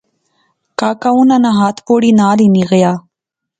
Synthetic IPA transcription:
kaːkawunanaɦaːt̪poɽinaːliniɣjaː

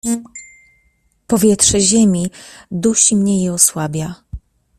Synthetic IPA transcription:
pɔvʲjɛtʂɛʑemʲid̪uɕimɲɛjɛɔswabʲja

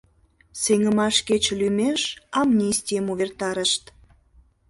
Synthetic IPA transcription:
seŋə̆mɑʃket͡ɕlymeʃɑmnʲisʲt̪ʲijəmuβert̪ɑɾəʃt̪

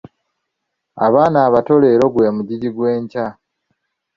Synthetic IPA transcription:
a̰βaːnaːβato̞le̞ːɾo̞ɡwe̞ːmuɟiɟiɡwe̞ːɲca

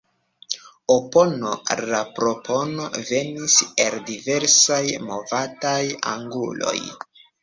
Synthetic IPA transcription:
opo̞no̞ɾapɾo̞pʰo̞no̞ve̞niseldive̞ɾsajmo̞vataja̰ŋɡṵlo̞̰j

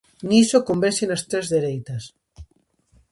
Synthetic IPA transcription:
nisokombeɾsenast̪ɾezðeɾejt̪ɐs

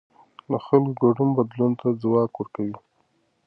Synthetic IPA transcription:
ləxalkɡaɖumbad̪lunt̪azwɑkwəɾkawi

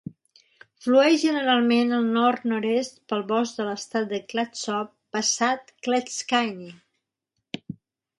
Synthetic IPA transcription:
fluɛʃʒənəɾalˠmenəlˠnɔɾt̪nɔɾest̪pəlˠβɔzd̪ələst̪at̪̚d̪əklat̪sɔpːəsat̪klɛt̪skajni

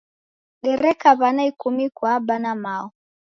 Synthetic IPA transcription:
ɗɛɾɛkaβanaikumikwaːbanamaɔ

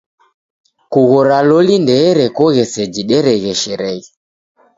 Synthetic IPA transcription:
kuɣɔɾalɔlindɛɾɛkɔɣɛsɛd͡ʒiɗɛɾɛɣɛʃɛɾɛɣɛ

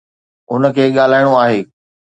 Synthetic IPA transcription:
ʊnə̆kʰeːɠaːl̤aːɪɽ̃oaːɦeː

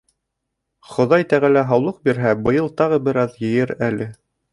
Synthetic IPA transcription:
χŏðɑjt̪æʁælæɦɑwlˠɤq̚biɾɦæbɤ̆jɤlˠt̪ɑʁɤbɘ̆ɾɑðjɘ̆jɘɾælɘ

